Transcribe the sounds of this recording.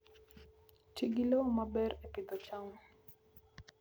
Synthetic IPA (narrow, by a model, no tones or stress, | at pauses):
t͡ʃiɡilomabɛɾepɪd̪ɔt͡ʃaŋɔ